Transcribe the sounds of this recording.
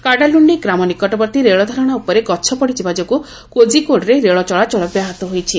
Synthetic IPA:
kaɽaluɳɖiɡɾamɔnikɔʈɔbɔɾt̪iɾeɭɔd̪ʱɔɾɔɽ̃aupɔɾeɡɔːt͡ʃʰɔpɔɽid͡ʒibad͡ʒɔku | kod͡ʒikoɽɾeɾeɭɔt͡ʃɔɭat͡ʃɔɭɔbjaɦat̪ɔɦojt͡ʃʰi

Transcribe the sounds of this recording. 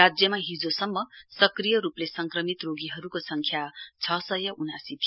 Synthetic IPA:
ad͡zjʌmaɦid͡zosʌmːʌsʌkrijʌɾuplesʌŋkrʌmit̪roɡiɦʌɾukosʌŋkʰjat͡sʰʌsʌjʌʔunasit̪ʰ

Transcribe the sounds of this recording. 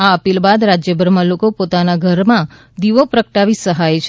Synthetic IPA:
aəpilbad̪ɾad͡ʒjəbʱəɾmãlokopot̪anaɡʱəɾmã | d̪iʋopɾəkʈaʋisəɦajt͡ʃʰe

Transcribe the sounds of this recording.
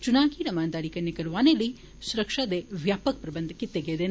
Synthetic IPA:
t͡ʃunaːɡiːɾɐmaːnd̪aːɾikɐnːekɐɾuʋaːnelːi | suɾɐkʂad̪eʋjaːpɐk̚pɾɐbɐnd̪ʱɐkːit̪eɡeːd̪e

